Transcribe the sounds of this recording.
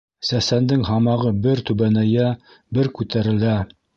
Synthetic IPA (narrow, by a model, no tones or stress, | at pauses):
sæsænd̪ɘŋɦɑmɑʁɤbɘɾt̪ʉβænæjæ | bɘɾkʉt̪æɾɘ̆læ